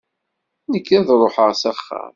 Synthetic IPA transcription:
nəkːæðɾˤoħəʁsæχːæ̰m

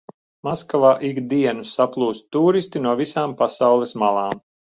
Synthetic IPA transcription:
maskavaːʔikd̪iɛnusaplˠuːst̪ːuːɾist̪inuɔvisaːmpasawlˠɛsmalˠɑːm

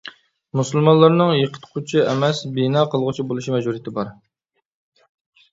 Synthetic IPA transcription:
musulˠmɑnlˠːəɾnɨŋjəqʰə̥t̪ʰqʰʊt͡ʃʰiʔɛmɛsbinɑqʰəlˠʁʊt͡ʃʰibolˠuʃimɛʒuɾijit̪ʰɪbɑɾ

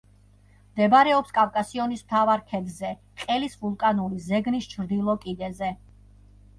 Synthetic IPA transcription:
md̪ɛbaɾɛɔpskʼavkʼasiɔnismt̪ʰavaɾkʰɛd̪zɛ | qʼɛlisvulˠkʼanulizɛɡnist͡ʃʰɾd̪ilˠɔkʼid̪ɛzɛ

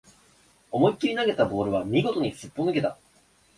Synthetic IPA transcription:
o̞mo̞ikʲːiɾʲinaɡe̞t̪abo̞ːɾɯ̟β̞amʲiɡo̞t̪oɲ̟isɨpːonɯ̟ke̞t̪a

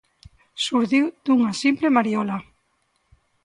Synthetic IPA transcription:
suɾðiwd̪̥uŋasimplemaɾjɔla

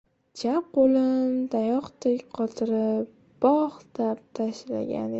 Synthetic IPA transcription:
d͡ʒʰap̚qolɪnd̪ajɒqt̪ʰekʲqʰɒt̪ʰɪɾɪp̚ | b̥ɒχt̪ap̚t̪ʰaʃla̰ɡʲa̰n

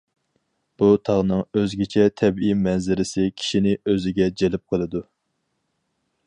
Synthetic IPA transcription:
b̥ut̪ʰɑʁnɨŋøzɡʲɛt͡ʃʰɛt̪ʰɛbijmɛnzɪɾɪsɪkʲʰi̥ʃinɪøzɪɡʲɛd͡ʒelɪp̚qʰəlˠɨd̪u

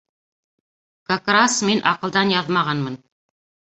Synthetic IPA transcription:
kakrasminʔɑqɤ̆lˠd̪ɑnjɑðmɑʁɑnmɤn

